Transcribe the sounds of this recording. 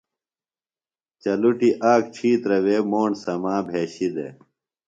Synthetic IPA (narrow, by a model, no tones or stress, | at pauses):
t͡ɕɐluʈiʔaːk̚t͡ɕʰiːt̪ɾɐweːmoːɳsɐmãːbʱeːɕid̪ḛ